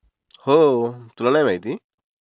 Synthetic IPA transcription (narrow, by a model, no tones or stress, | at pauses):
hot̪ulanajbʱajt̪i